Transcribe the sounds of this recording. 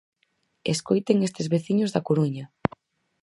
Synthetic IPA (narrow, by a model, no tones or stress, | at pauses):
eskojt̪eŋest̪ezβeθiɲozðɐkoɾuɲa